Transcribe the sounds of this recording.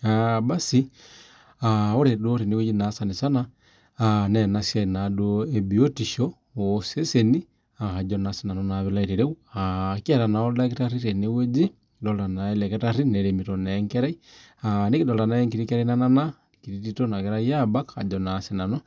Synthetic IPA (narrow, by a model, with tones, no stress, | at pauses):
aba˦si˦ | ao˦ɾe˨doɾe˨ni˦we˦d͡ʒi˦na˨˦sa˨ni˨sa˦naː | nɛna˦sjainadoebi˨o˦ti˨ʃɔ | ose˦seni˦ | aha˨d͡ʒɔnasi˦na˨nɔnaβilaiɾiɾe˦uaki˦ɛ˨ɾa˨na˨ɔla˦k̬i˦taɾi˦ɾe˨ni˦we˦d͡ʒi˦ | dɔlɾa˨na˨ɛ˦lɛ˨kɛ˦ta˦ɾi˦nɛ˨ɾemi˨tɔnɛŋkɛ˦ɾa˦i˦ | ani˦ki˦dɔ˨lɾa˨na˨ɛŋkiɾikɛ˦ɾa˦ina˦na˦na | ki˨ɾititɔna˨kɛɾa˦i˦jaba˦ka̰˨d͡ʒɔnase˨na˨nɔ˦